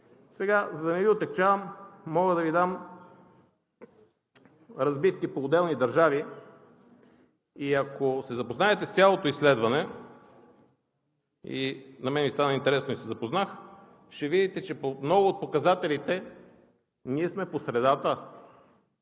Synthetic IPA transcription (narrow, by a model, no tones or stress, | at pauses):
sɛɡazɐd̪ɐnɛviot̪ɛk̚t͡ʃavəmːɔɡəd̪ɐvid̪am | ɾɐzbifkipoːd̪ɛlˠnid̪ɐɾʒavi | iɐkosɛzɐpoznaɛt̪ɛst̪ʲjalˠot̪oislɛd̪vɐnɛ | ḭnɐmɛnɛvʲist̪anəint̪ɛɾɛsnoisɛzɐpoznax | ʃt̪ɛvid̪it̪ɛt͡ʃɛpomnɔɡoːt̪̚pokɐzat̪ɛlit̪ɛ | niɛsmɛposɾɛd̪at̪ə